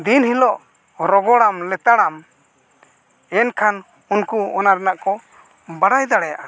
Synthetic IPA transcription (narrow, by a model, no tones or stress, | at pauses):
d̪inhilɔʔ | ɾɔɡɔɽamlɛt̪aɽam | ɛnkʰan | unkuɔnaɾɛnaʔkɔ | baɽajd̪aɽɛjaʔa